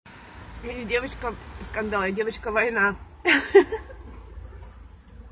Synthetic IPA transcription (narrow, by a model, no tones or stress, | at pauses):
jɪnʲɪdʲevət͡ɕkəskɐnd̪alˠjɐdʲevət͡ɕkəvɐjna